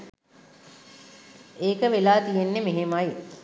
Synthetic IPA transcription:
eːkəʋelaːt̪ijenːemeɦemaj

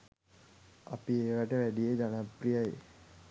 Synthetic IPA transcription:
a̰pieːʋæʈəʋæɖijed͡ʒanaprijaje

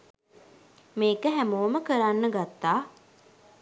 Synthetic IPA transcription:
meːkəɦæmoːməkəɾanːəɡat̪ːaː

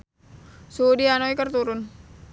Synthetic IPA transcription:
sudianoikərt̪uɾʊn

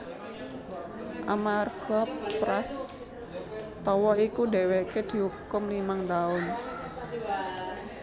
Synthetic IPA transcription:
ʔa̰marɡ̥ɔpːɾas | t̪ɔwɔikuɖe̤weked̪̥i̤ɦukʊmlimaŋt̪aʊn

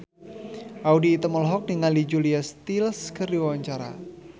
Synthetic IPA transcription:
ʔaudiːt̪amɔlɦɔk̚dəŋalid͡ʒuliast̪ilskərdiwwaɲt͡ʃaɾa̰

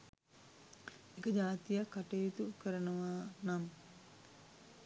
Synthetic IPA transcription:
ekəd͡ʒaːt̪ijakaʈeit̪ukəɾənəʋaːnam

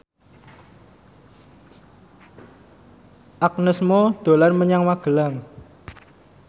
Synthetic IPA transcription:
ʔak̚nəsmod̪̥o̤larməɲaŋwaɡ̥əlaŋ

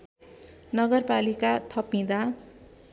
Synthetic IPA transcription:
nʌɡʌrpalikat̪ʰʌpĩd̪a

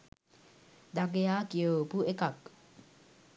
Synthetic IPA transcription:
d̪aɡejakiopuʔekak

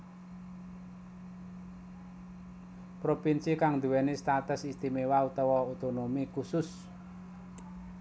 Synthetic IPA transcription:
pɾopinsikaŋd̪ṳwɛnest̪at̪ʊsist̪imewaut̪ɔwɔot̪onomikusʊs

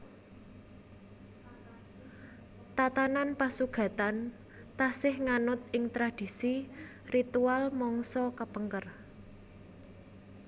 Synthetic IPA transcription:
t̪at̪ananpasuɡ̥ä̤t̪an | t̪asɪhŋanʊt̪̚ɪŋt̪ɾad̪̥i̤si | rit̪ualmɔŋsɔkəpəŋkər

